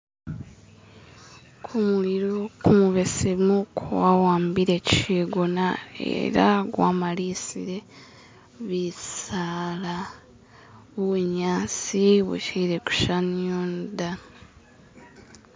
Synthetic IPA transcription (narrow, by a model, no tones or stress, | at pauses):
kʰumuiɾokumuβesemukʰuwawaːmbiɾe̞ciʃiːɡonae̞̰ɾaɡwa̰ːmalisiɾe̞ | βisala | βuβuɲaːt͡siβṵciɾeku̥ʃanoːnda